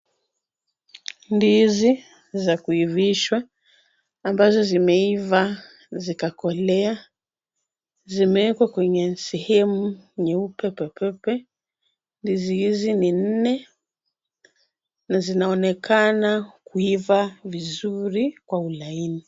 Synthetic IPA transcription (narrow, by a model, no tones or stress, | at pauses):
ndizi | zakuiviʃwaː | mbazɔzimɛiva | zikakɔlɛa | zimɛɛkwakwɛɲɛsɛhɛmuɲɛupɛpɛpʰɛpɛ | ndizihizinin̩nɛ | nazinaɔnɛkʰanakuivavizuɾikwaulaini